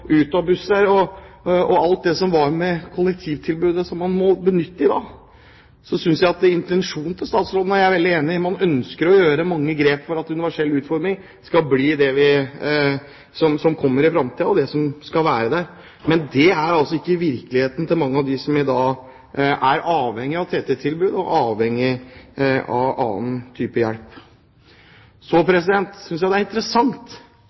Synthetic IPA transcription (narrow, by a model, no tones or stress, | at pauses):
ʉːt̪ɑbʉsəɾɔ | ɔɑlt̪̚d̪ɛsɔmʋɑɾmɛkʰʊlːɛk̚t̪ʰiːʋt̪ʰɪlbʉːd̪əsɔmːɑnmɔbənʏt̪ːəɪd̪ɑː | sɔsʏnsjæɪɑt̪̚ɪnt̪ɛnʂuːnt̪ʰɪlst̪ɑːt̪sɾoːd̪ənæɾjææɾʋɛld̪ɪeːnɪmɑnœnskəɾɔjøːɾəmɑŋːəɡɾeːpfɔɾɑt̪ʉnɪʋæʂɛlːʉːt̪fɔɾmɪŋ | skɑlbliːd̪ɛʋɪ | sɔmsɔmkʰɔmːəɾɪfɾɑmt̪ʰiːəɔd̪ɛsɔmskɑlʋæːɾəd̪æɾ | mɛnd̪ɛæɾɑlsɔɪkːəɪʋɪɾklɪheːt̪n̩t̪ʰɪlmɑŋːəɑʋd̪ɪsɔmɪd̪ɑː | ʔæɾɑːʋhɛŋːɪɑʋt̪ʰeːt̪ɛt̪ʰɪlbʉːd̪ɔʔɑːʋhɛŋːɪ | ɑ̰ʋɑ̰ːnt̪ʰyːpəjæɽp | sɔpʰɾɛsɪd̪ɛnt̪sʏnsjæɪd̪ɛæɾɪnt̪əɾəsɑŋt̪